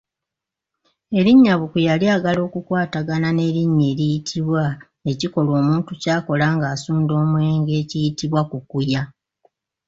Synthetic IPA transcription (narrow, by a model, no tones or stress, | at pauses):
e̞ɾiɲːaβukujaliaːɡalo̞ːkukwaːtaɡanane̞ɾiɲːeːɾijitʰiβwa | e̞ciko̞lo̞ːmuːntucaːko̞laːŋɡaːsuːndo̞ːmwe̞ːŋɡe̞ːcijitiβwakukuja